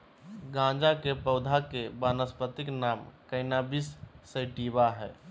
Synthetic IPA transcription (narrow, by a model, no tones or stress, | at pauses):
ɡãd͡ʒakepəʊd̪ʱakebanəspət̪iknamkəɪnabisːəɖibaɦɛ̰